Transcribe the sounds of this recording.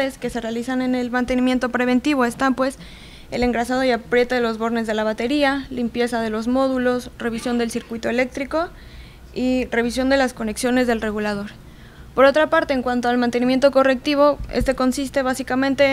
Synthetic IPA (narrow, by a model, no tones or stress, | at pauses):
eske̞se̞realisane̞nelmãnt̪e̞nĩmje̞nt̪o̞pɾe̞β̞e̞nt̪iβo̞e̞st̪ampwe̞s | ele̞ŋɡɾasað̞o̞iapɾje̞t̪aðelo̞zβo̞ɾne̞zðe̞laβ̞at̪e̞ɾialimpje̞saðe̞lo̞zmo̞ðulo̞sre̞β̞isjo̞nd̪e̞lsiɾkwit̪o̞ele̞k̚t̪ɾiko̞ | ire̞β̞isjo̞nd̪elasko̞ne̞ksjo̞ne̞zðe̞lre̞ɣulað̞o̞ɾ | po̞ɾo̞t̪ɾapaɾt̪e̞ːŋkwant̪oalmãnt̪e̞nimje̞nt̪o̞ko̞re̞k̚t̪iβ̞o̞ḛst̪e̞ko̞nsist̪e̞βasikamẽ̞nt̪e̞